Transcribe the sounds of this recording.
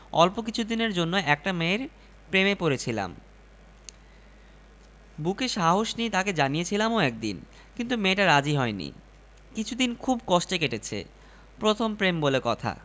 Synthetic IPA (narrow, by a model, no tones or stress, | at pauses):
ɔlpokit͡ɕʰud̪ineɾd͡ʑonːoɛk̚ʈameɾ | pɾemepoɾet͡ɕʰila̰m | bukeʃaɦoʃniet̪aked͡ʑanijet͡ɕʰilamoɛk̚d̪ḭn | kint̪̬umeʈaɾad͡ʑiɦɔenḭ | kit͡ɕʰud̪inkʰubkɔʃʈekeʈet͡ɕʰḛ | pɾot̪ʰompɾembolekɔt̪ʰa̰